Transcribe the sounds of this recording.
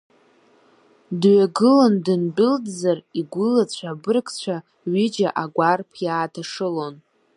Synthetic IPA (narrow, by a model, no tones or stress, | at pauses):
dɥaɡɨlondɨnbʲɪldzariɡʷʊlat͡ɕʷʰabɨrkʰʼt͡ɕʷʰa | ɥɪd͡ʒaʔaɡʷarpʰjaːtʰaʂɨlo̞n